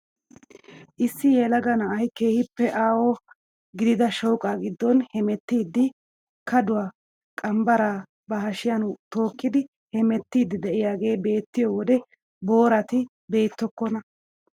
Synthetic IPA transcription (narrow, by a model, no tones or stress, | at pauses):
ʔɪsːɪjɛlɐɡɐnɐɐjkeːhɪpːɛʔaːwɔ | ɡɪd̪ɪd̪ɐʃɔwkʼaːɡɪd̪ːɔnhɛmɛt̪ːiːd̪ːɪ | kɐd̪ʊwaː | kʼɐmbɐɾaː | bɐhɐʃɪjɐnʊt̪o̞ːkːɪd̪ɪ | hɛmɛt̪ːiːd̪ːɪd̪ɛʔɪjaːɡe̞ːbe̞ːt̪ːɪjɔwɔd̪ɛ | bo̞ːɾɐt̪ɪ | be̞ːt̪ːɔkːɔnɐ